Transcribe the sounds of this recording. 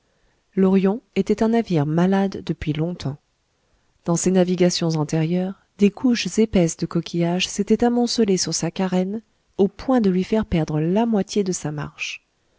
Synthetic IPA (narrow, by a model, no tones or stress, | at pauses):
lɔʁjɔ̃et̪ɛt̪ɛ̃naviʁmalad̪ːəpɥilɔ̃t̪ʰɑ̃ | d̪̥ɑ̃senaviɡasjɔ̃zɑ̃t̪eʁjœʁ | d̪ekʰuʃzepɛsd̪əkɔkʲʰijaʒset̪ɛt̪amɔ̃səlesyʁsakaʁɛn | opwɛ̃d̪əlɥifɛʁpɛʁd̪ʁəlamwat̪ʰjed̪əsama̰ʁʃ